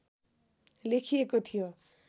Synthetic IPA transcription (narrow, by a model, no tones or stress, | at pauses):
lekʰijekot̪ʰijo